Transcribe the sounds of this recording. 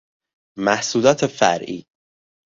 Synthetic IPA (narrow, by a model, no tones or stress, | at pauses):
mæhsuːlɒːt̪ʰefæ̰ɾʔḭː